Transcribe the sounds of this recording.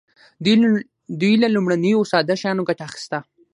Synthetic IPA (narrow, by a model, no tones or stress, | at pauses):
d̪ujlalumɽanəjosɑd̪aʃajɑnoɡaʈaːxi̥st̪a